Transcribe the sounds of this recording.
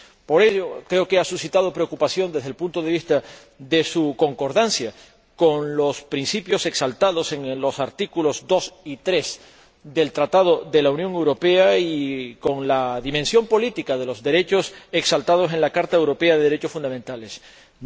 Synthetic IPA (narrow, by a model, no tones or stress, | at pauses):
po̞ɾe̞ʝo̞kɾe̞o̞ke̞asusit̪að̞o̞pɾe̞okupasjo̞nd̪e̞zðelpunt̪o̞ð̞e̞β̞ist̪a | ðe̞suko̞ŋko̞ɾðansja | ko̞nlo̞spɾinsipjo̞se̞ksalt̪aðo̞se̞ŋlo̞saɾt̪ikulo̞zd̪o̞sit̪ɾe̞s | ðe̞lt̪ɾat̪að̞o̞ðe̞launjo̞ŋe̞wɾo̞pe̞aiko̞ŋlaðimẽ̞nsjo̞mpo̞lit̪ikaðe̞lo̞zðe̞ɾe̞t͡ʃo̞se̞ksalt̪að̞o̞se̞nlakaɾt̪aewɾo̞pe̞aðeðeɾe̞t͡ʃo̞sfund̪amẽnt̪ale̞s